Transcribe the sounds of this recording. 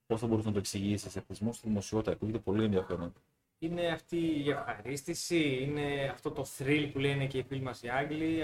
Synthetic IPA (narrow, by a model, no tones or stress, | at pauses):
po̞sθɐbo̞ɾis̬nɐt̪oeksiʝisisepizmo̞st̪iðimo̞sio̞t̪it̪ɐkuʝet̪epo̞lie̞nðjɐfeɾo̞n | ine̞ɐft̪iːefxɐɾist̪isiine̞ɐft̪o̞t̪o̞θɾilpule̞nece̞ifilmɐsiɐŋɡli